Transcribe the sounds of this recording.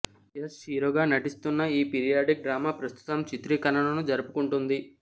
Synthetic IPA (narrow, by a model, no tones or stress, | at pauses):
jesʃiːɾoːɡaːnɐʈist̪unːɐiːpiɾijaːɖik̚ɖɾaːmaːpɾɐst̪ʰu̥t̪ɐmt͡ʃit̪ɾiːkɐnɐɳɐnud͡ʒɐɾupukuɳʈund̪i